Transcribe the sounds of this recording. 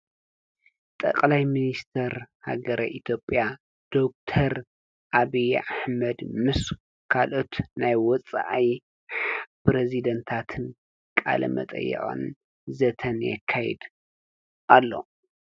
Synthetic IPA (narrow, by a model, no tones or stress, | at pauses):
t̪ʼɐ̰kʼlajminist̪ʰɐɾha̰ɡɐɾɐʔit̪ʰjo̞pʼja | d̪̥ok̚t̪ʰɐɾ | ʔaβijʔaħmɐd̪mɨs | kʰalʔo̞t̪najwɔt͡sʼa̰ʔaj | pɾezid̪ɐnt̪ʰat̪ʰɨn | kʼa̰lɐ̰mɐ̰t̪ʼɐ̰jːɛ̰ʔʼo̰n | zɐt̪ʰɐnjɛ̰kʰːajɛ̰d̪ | ʔalːo̞̰